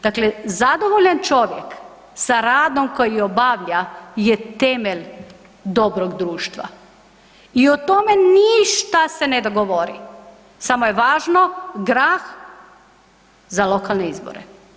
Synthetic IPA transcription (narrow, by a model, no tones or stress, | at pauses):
d̪aklezad̪oʋoʎant͡ʃo̞ʋjek | saɾaːd̪o̞mko̞jiobaʋʎajet̪emeʎ | d̪o̞bɾoɡd̪ɾuːʃt̪ʋa̰ | iot̪ome̞niʃt̪ase̞ned̪oɡoʋoɾḭ | samojeʋaːʒnoɡɾaːx | zalo̞kalˠneizbo̰ɾḛ